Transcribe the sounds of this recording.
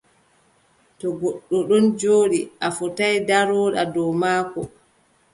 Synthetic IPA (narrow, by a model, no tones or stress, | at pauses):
tɔɡɔɗːɔɗɔnd͡ʒoːɗiʔafɔtajdaɾɔːɗa̰dɔmaːkɔ